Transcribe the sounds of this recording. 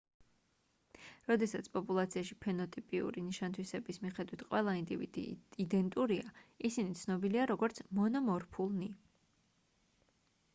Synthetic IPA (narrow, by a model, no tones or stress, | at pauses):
ɾɔd̪ɛsat̪sʰpʼɔpʼulˠat̪sʰiaʃipʰɛnɔt̪ʼipʼiṵɾiniʃant̪ʰwisɛbismiχɛd̪wit̪ʰqʼwɛlˠaind̪ivḭd̪ḭid̪ɛnt̪ʼuɾiaisinit̪sʰnɔbiliaɾɔɡɔɾt̪sʰmɔnɔmɔɾpʰulˠni